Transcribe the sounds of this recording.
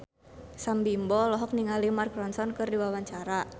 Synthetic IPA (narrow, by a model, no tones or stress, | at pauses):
sambimbɔlɔɦɔk̚niŋalimarkɾɔnsɔnkɨrdiwawaɲt͡ʃaɾa